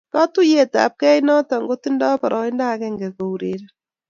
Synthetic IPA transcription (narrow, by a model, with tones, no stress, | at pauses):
ka˦tu˦je˨ta̰˨p̚kɛ˦jnɔ˦tɔ˨ŋɡo˦ti˦ndɔ˦pa˨ɾʔɔ˨i˦nda˦kɛ˦ŋɡɛ˨ko˨uɾe˨ɾɛ˦